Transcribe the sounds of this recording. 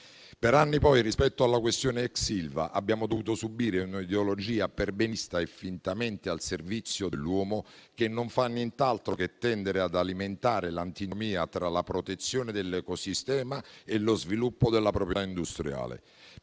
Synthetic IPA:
peɾanːipɔjrispɛt̪ːoalːakwest̪jɔːneɛksilva̰ʔabːjaːmod̪ovuːt̪osubiːɾeunid̪eolod͡ʒiːaperbɛnist̪aefːint̪ament̪ealservit̪sːjoelːwɔːmokenːoɱfanːjɛnt̪alt̪ɾoket̪ːɛnd̪eɾead̪aliment̪aːɾelant̪inmiːat̪ɾalapɾot̪et̪sːjoːned̪elːɛkosist̪ɛːmaelozvilupːod̪elːapɾopɾjt̪aind̪ust̪ɾja̰ːlḛ

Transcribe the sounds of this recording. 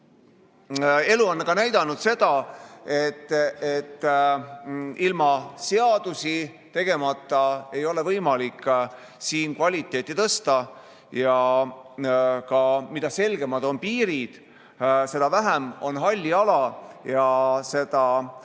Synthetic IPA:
e̞luɑnːkɑnæjd̪̥ɑnud̪̥se̞d̪̥ɑet̪ːˑet̪ːˑ | ilmɑse̞ɑd̪̥usi | t̪e̞ɡ̥e̞mɑt̪ˑːɑe̞jo̞le̞vɤjmɑlikːˑ | siːnkvɑlʲit̪ːˑe̞ːt̪ːˑit̪ɤst̪ɑ | jɑ | kɑmid̪̥ɑse̞lɡ̥e̞mɑd̪o̞npiːɾid̪̥ | se̞d̥̪ɑvæɦæmo̞nɦɑlʲːiɑlɑjɑse̞d̪̥ɑ

